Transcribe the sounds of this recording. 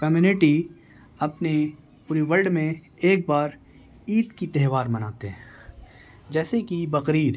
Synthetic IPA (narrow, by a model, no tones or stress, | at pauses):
kɐmjuːnɪʈi | ɐpne | puːɾiʋɐlɖmẽ | eːk̚baːɾ | iːt̪kit̪ɛɦʋaːɾmɐnaːt̪eɦɛ̃ː | d͡ʒɛːsekibɐqɾiːɾ